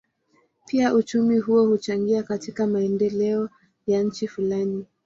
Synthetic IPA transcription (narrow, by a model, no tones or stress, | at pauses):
piaʔut͡ʃumiɦuɔhut͡ʃaŋɡiakatikamaɛndɛlɛɔ | jaɲ̩t͡ʃifulani